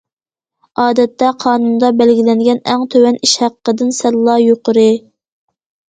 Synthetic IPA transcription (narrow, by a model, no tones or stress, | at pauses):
ɑːd̪ɛt̪ʰːɛqʰɑːnund̪ɑbælɡʲilɛnɡʲɛnɛŋt̪ʰøwɛniʃhæqːəd̪ɪnsɛllːˠɑjoqəɾɨ